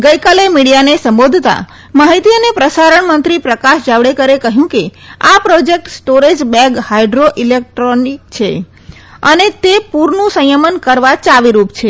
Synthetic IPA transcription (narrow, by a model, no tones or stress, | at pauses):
ɡəjkalemiɽijanesəmbod̪ʱt̪a̰ | maɦit̪iənepɾəsaɾəɳmənt̪ɾipɾəkaʃd͡ʒaʋɽekəɾekəɦjũkeapɾod͡ʒek̚ʈsʈoɾed͡ʒbɛ̃ɡhaiɖɾoʔilek̚ʈɾonik̚t͡ʃʰe | ənet̪epuɾnũsə̃jəmənkəɾʋat͡ʃaʋiɾupt͡ʃʰe